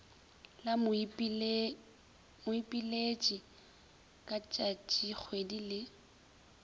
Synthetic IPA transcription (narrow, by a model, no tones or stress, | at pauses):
la | mʊipʼilet͡ʃʼi | kʼat͡ʃʼat͡ʃʼik͡xʰwedilɪ